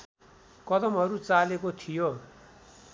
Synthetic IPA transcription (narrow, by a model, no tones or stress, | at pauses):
kʌd̪ʌmɦʌɾut͡salekot̪ʰijo